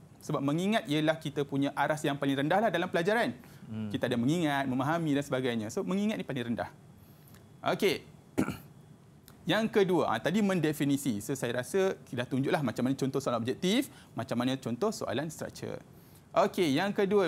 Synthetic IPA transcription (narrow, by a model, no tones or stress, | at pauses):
səbap̚mə̃ŋiŋat̪̚iəlahkit̪əpuɲãʔaɾasjaŋpalɪŋɾəndahlahdalampəlad͡ʒaɾankit̪aadamə̃ŋiŋat̪̚mə̃maɦamĩdansəbaɡajɲãsomə̃ŋiŋat̪̚nĩpalɪŋɾənda̰h | ʔo̰ke | jaŋkəduəʔã̰t̪adimə̃ndefinisisosajaɾasədaht̪uɲd͡ʒuʔlahmat͡ʃamanat͡ʃɔnt̪ɔhsoalnɔp̚d͡ʒɛk̚t̪if | mat͡ʃamanat͡ʃɔnt̪ɔhso̰ʔa̰lanst̪ɾa̰k̚t͡ʃə̰r | ʔokejaŋkəduə